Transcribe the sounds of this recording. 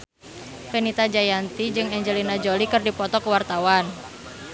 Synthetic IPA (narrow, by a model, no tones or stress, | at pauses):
penit̪ad͡ʒajant̪id͡ʒɨŋɛɲd͡ʒəlinad͡ʒolikɨrdipɔt̪ɔkəwart̪awan